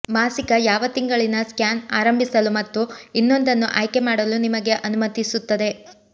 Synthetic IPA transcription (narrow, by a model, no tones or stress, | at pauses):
maːsikɐjaːʋɐt̪iŋɡɐɭinɐskjaːnaːɾɐmbʱisɐlumɐt̪ːuinːo̞nd̪ɐnːuʔa̰ːjke̞maːɽɐlunimɐɡe̞ʔɐnumɐt̪isut̪ːɐd̪e̞